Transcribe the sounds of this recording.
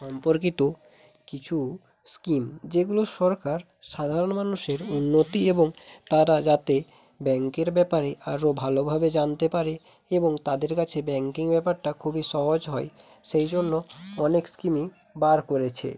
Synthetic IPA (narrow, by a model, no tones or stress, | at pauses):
ʃɔmpoɾkit̪o | kit͡ɕʰu | skimd͡ʑeɡuloʃɔɾkaɾ | ʃad̪ʱaɾonmanuʃeɾunːot̪ieboŋt̪aɾad͡ʑat̪e | bɛŋkeɾbɛpaɾeʔaɾobʱalobʱabed͡ʑant̪epaɾe | eboŋt̪ad̪eɾkat͡ɕʰebɛŋkiŋbɛpaɾʈakʰubiʃɔɦod͡ʑɦɔe | ʃejd͡ʑonːoɔnekskimi | baɾkoɾet͡ɕʰḛ